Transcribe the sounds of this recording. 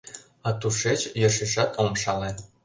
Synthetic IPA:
ɑt̪uʃet͡ɕjɤ̆ʃiʃɑt̪ʰomʃɑlĕ

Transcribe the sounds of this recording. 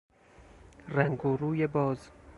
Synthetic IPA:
ræŋɡoɾuːjebɒːz

